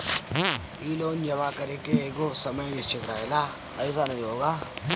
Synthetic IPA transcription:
iːloːnd͡ʒɐʋakɐɾekeeːɡoːsɐməjʋɪst͡ʃʰɪt̪ɾaɦelaː | əɪs̬anɐɦĩɦoːɡaː

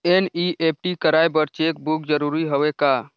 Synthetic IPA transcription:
eniʔeːp̚ʰʈikəɾaːebəɾt͡ʃeːk̚bukd͡ʒəɾuːɾiɦoʋekaː

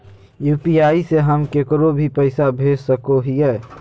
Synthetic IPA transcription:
juːpiaːiseɦəmkekɾobʱipəɪsabʱeːd͡ʒsəkoɦiɛː

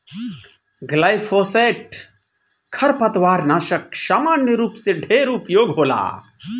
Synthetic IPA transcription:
ɡlajpʰoːseːʈ | kʰɐɾpɐt̪ʋaːɾnaːʃək̚saːmaːnjəɾuːpseɖʱeːɾupjoːɡɦoːla̰ː

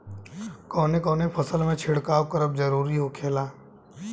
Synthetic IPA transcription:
kɔːnekɔːnepʰəsəlmẽt͡ʃʰɪɽkaːwkəɾəb̚d͡ʒəɾuːɾiɦokʰeːlaː

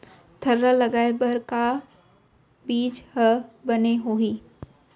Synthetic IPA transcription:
t̪ʰəɾːaləɡaːebəɾka | biːd͡ʒhəbəneɦoiː

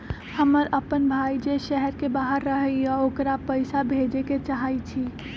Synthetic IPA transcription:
həməɾəpənbʱaːid͡ʒeʃɛɦɛɾkebaːɦəɾːəɦəɔoːkɾapəɪsabʱeːd͡ʒeket͡ʃaɦaːit͡ʃʰiː

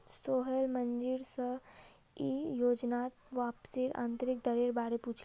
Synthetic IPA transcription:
soːɦəlmɐ̃ɲd͡ʒɪɾsə | ijoːd͡ʒnaːt̪ʋaːpsiɾã̰ːnt̪ɾɪk̚d̪əɾeːɾbaːɾepuːt͡ʃʰl

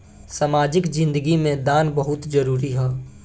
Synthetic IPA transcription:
saːmaːd͡ʒɪkd͡ʒɪ̃nd̪əɡimẽd̪aːnbəɦʊt̪d͡ʒɐɾuːɾiɦɛː

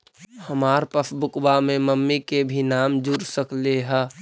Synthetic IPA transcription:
həmaːɾpəsbʊkbamẽməmːikebʱinaːmd͡ʒuɾsəkleɦɛ

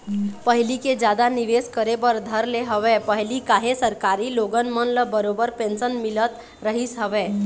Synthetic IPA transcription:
pəɦliked͡ʒjad̪aniʋeskəɾebəɾd̪ʱəɾleɦəʋepəɦɪlikaɦesəɾkaːɾiloːɡənmənləbəɾobəɾpẽːnsənmɪlət̪ | ɾəɦisɦəʋeː

